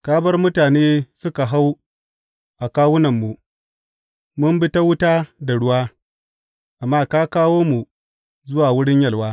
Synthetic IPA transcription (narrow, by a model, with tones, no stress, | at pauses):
kaː˦bɐ˦rmʊ˦taː˨neː˦sʊ˦ka˨ɦa˦w | ʔa˨kaː˦wʊ˦nɐ˨mːu˨ | mʊ˦mbɪ˦ta˦wʊ˦taː˦da˨ɽʊ˦waː˦ | ʔa˨mːaː˦kaː˦kaː˦woː˦mu˨ | zʊ˦waː˨wʊ˦ɽɪ˦ɲjɐ˨lwaː˦